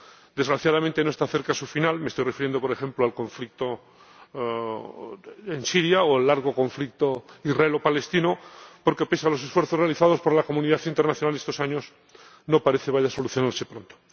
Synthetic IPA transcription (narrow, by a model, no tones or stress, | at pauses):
d̪e̞zɣɾaθjað̞amẽnt̪e̞noe̞st̪aθe̞ɾkasufinalmest̪ojrefiɾjend̪opo̞ɾe̞xe̞mploalkõ̞ɱflik̚t̪o | ensiɾjaoalːaɾɣo̞ko̞ɱflik̚t̪oizrae̞lo̞pale̞st̪inopoɾke̞pe̞salo̞se̞sfweɾθore̞aliθaðo̞spo̞ɾlako̞muniðaθint̪eɾnaθjo̞nalest̪o̞saɲo̞s | no̞paɾe̞θe̞βaʎaso̞luθjonaɾse̞pɾont̪o̥